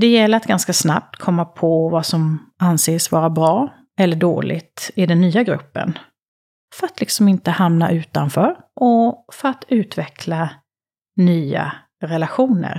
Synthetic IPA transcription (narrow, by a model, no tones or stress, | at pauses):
d̪ɛjɛlːəɾat̪ɡanskasna̰p̚t̪kʰɔmːapʰɔvasɔmanseːsvɑːɾabɾɑː | ɛlːəɖo̰ːlʔɪ̰t̪ɪd̪ɛnːyːaɡɾɵ̰pːə̰n | fœɾat̪lɪksɔmɪnt̪əhamna̰ʔʉ̟ːt̪anfœːɾʔɔfœɾat̪ʉ̟ːt̪vɛkʰla | nyːa̰ | ɾɛlaɧuːnə̰ɾ